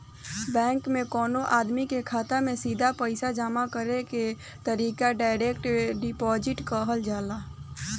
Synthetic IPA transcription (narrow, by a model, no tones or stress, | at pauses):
bɛ̃ːŋkmẽkɔːnoʔaːd̪mikekʰaːt̪amẽsiːd̪ʱapəɪsad͡ʒaːmakəɾeke | t̪əɾiːkaɖaːɪɾekʈɖɪpɔd͡ʒɪʈkəɦəld͡ʒaːla